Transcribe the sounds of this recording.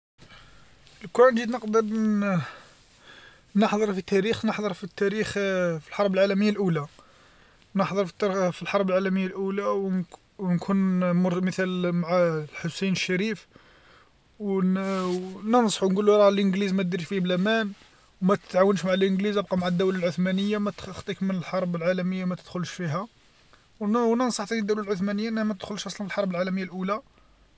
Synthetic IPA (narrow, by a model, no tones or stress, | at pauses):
lknʒid̪nəqd̪əɾ | nəħd̪ˤəɾˤfit̪æɾixnəħd̪ˤəɾˤfit̪ːæɾixfilħɑɾˤbəlʕalæməjːalʔula | nəħd̪ˤəɾˤfi̥t̪ːæɾfilħɑɾˤbəlʕalæməjːalʔulaw | nkʰunmmət̪ælmaʕlħʊsejnəʃːæɾif | w | nənsˤħwnɡuluɾˤɑlʔənɡlizmæd̪iɾiʃfiblæmæn | wmæt̪ə̥t̪ʕawənʃmaʕəlʔənɡlizæb̚qɑmaʕad̪ːuwlalʕoθmænəjːamæt̪xt̪ˤikmənəlħɑɾˤbəlʕalæməjːamæt̪əd̪̥xʊlʃfiɦæ | wwnənsˤɑħt̪ænid̪ːæwlælʕʊθmænəjːaʔnːhæmæt̪əd̪xʊlʃʔɑsˤlɑnfilħɑɾˤbəlʕalæməjːalʔula